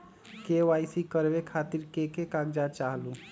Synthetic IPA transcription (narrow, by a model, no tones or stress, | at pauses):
keʋaːjsikəɾbekʰat̪iɾkekekaɡd͡ʒat͡ʃaːɦlũ